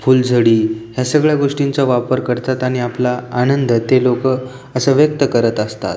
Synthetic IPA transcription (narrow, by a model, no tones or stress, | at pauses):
fuːld͡zʱəɽiːɦjasəɡɭjaɡoʂʈint͡saʋapəɾkəɾt̪at̪aɽ̃iaplaːnənd̪ət̪elokə | əsəʋjək̚t̪əkəɾət̪əst̪a̰t̪